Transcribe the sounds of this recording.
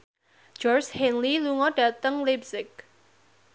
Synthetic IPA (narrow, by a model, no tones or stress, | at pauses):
d͡ʒɔrt͡ʃhɛnliluŋɔɖ̥at̪əŋlibsɪk̚